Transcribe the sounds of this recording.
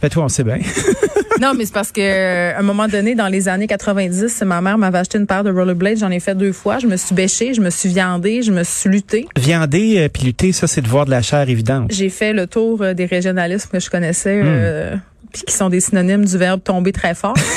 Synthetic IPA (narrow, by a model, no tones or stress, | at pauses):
bɛt̪waɔ̃sɛbjɛ̃ | nɔ̃mɛse̥paʁsə̥kəɛ̃ːmɔmɑ̃d̪ɔned̪ɑ̃lezanekat̪χəvɛ̃dd͡z̪ɪsmamɛːʁmavɛaʃt̪eynpaʁd̪əʁɔləblɛt̪ʒɑ̃nefɛt̪̚d̪øːfwaʒəməsɥibɛʃeʒəməsɥivjɑ̃d̪eʒəməsilyt̪evjɑ̃d̪epilyt̪esʌsɛd̪əvwaːʁd̪əlaʃɛːʁevid̪ɑ̃t̪ʒefɛlət̪uːʁəd̪eʁeʒjɔnalɪsmkʲəʒəkɔnɛsɛø | pi̥kʲi̥sɔ̃d̪esinɔnɪmd̪yvɛʁb̚t̪ɔ̃bet̪χɛfɑːʁ